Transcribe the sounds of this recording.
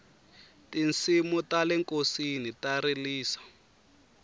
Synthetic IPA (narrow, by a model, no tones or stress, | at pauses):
tint͡simutalɛŋkosinitaɾiliːsḁ